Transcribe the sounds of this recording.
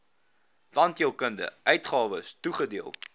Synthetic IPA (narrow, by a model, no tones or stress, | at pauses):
vɐntiəlˠkəndə̰ʔœɥtχɑːvəstuχədiəlˠ